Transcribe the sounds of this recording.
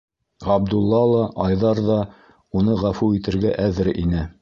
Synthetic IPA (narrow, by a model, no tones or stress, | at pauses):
ɑb̚d̪ulˠːɑlˠɑʔɑjðɑɾðɑ | unɤʁæfuit̪ɘ̆ɾɡæʔæðɘ̆ɾinɘ